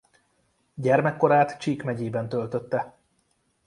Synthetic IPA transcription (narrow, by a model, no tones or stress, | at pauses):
ɟɛrmɛkːo̞ɾaːt̪t͡ʃiːkmɛɟeːbɛn̪t̪ølt̪øt̪ːɛ